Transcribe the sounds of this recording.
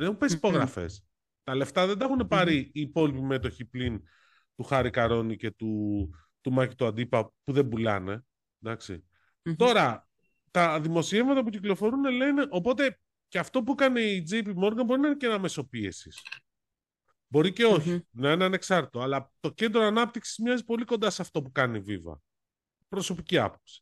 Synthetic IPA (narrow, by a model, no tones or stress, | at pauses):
exumpesi̥po̞ɣɾɐfe̞̰s | t̪ɐle̞ft̪ɐðed̪ɐexune̞pɐɾiːpo̞lipime̞t̪o̞çiplin | t̪uxɐɾikɐɾo̞nice̞t̪u | t̪umɐci̥t̪uɐd̪ipɐpuðe̞mbulɐ̰ne̞̰ | d̪ɐksḭ | t̪o̞ɾɐ | t̪ɐðimo̞sievmɐt̪ɐp̬uciklo̞fo̞ɾune̞le̞ne̞ʔo̞po̞t̪e̞ | ceɐft̪o̞p̬uekɐne̞iid͡zejpimo̞ɾɡɐnbo̞ɾinɐenecenɐme̞so̞piesis | bo̞ɾice̞o̞çinɐeneɐne̞ksɐɾt̪i̥t̪oɐlɐt̪o̞ce̞nd̪ɾoɐnɐp̚t̪iksi̥zmɲɐzipo̞liko̞nd̪ɐsɐft̪o̞pukɐnivivɐ̰ | pɾo̞so̞piciɐ̰po̞psi̥